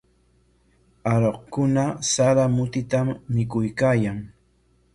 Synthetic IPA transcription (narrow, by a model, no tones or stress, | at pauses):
aɾoqkʊnasaɾamʊt̪ɪt̪amːɪkʊjkaːjaŋ